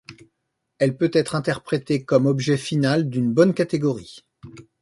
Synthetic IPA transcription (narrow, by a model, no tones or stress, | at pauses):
ɛlpøt̪ɛt̪χɛ̃t̪ɛʁpχet̪ekɔmɔbʒɛfinald̪ynbɔnkʲat̪eɡɔʁi